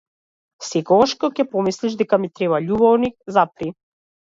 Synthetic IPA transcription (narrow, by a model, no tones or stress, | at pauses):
sɛkɔɡaʃkɔkɛpɔmisliʃd̪ɛkamit̪ɾɛβaʎubɔvnikzapɾi